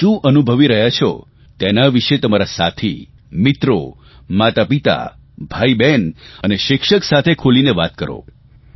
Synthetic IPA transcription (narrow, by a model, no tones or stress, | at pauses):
ʃũʔənubʱəʋiɾəɦjat͡ʃʰɔ̰ | t̪enaʋiʃet̪əmaɾasa̰t̪ʰḭ | mɪt̪ɾo | mat̪apit̪a̰ | bʱaibenəneʃɪkʃəksat̪ʰekʰolineʋat̪kəɾo̰